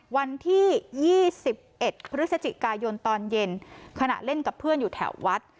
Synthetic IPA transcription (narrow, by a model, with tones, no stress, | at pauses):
wa˧nt̪ʰiː˥˩jiː˥˩si˨˩p̚ʔe˨˩t̪̚pʰɾɯ˦˥sa˧t͡ɕi˨˩kaː˧jo˧nt̪ɔː˧nje˧nkʰa˧na̰˨˩ʔle˥˩nka˨˩pʰːɯ˥˩ənjuː˨˩t̪ʰɛ̰˧˩˦wːa˦˥t̪̚